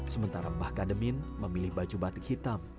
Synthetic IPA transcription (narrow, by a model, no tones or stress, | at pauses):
səmənt̪aɾabahkadəminməmilɪhbad͡ʒubat̪ik̚hit̪am